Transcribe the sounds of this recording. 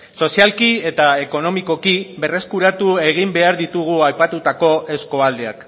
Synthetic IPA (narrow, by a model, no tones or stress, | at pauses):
so̞sialkie̞t̪ae̞ko̞no̞miko̞kibe̞re̞skuɾat̪ue̞ɣ̞imbe̞aɾðit̪uɣ̞uajpat̪ut̪ako̞ʔe̞sko̞ald̪e̞a̰k